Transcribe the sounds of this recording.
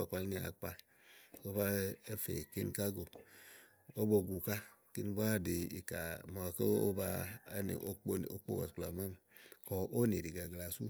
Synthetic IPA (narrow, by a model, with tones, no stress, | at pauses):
a˨ka˨˦ni˦˨a̰˨k͡pa˦ | o˦ba˦e˦fḛ˨ki˦n˦ka˦ɡo˨ | o˦bo˨ɡu˨ka˦ki˦n˦ba˦di˨i˨ka̰˨ma˨ko˦o̰˦baː˦nḛ˨ʔo˦k͡po˦n˨o˦k͡po̰˦wa̰˨tk͡pla˨ma˦m | kɔ˨o˦ni˨ɾi˨ɡa˨ɡla˨su˦